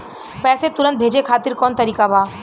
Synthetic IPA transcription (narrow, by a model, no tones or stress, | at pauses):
pɛːset̪ʊɾə̃nt̪̚bʱeːd͡ʒekʰaːt̪ɪɾkɔːnt̪ɐɾiːkabʱaː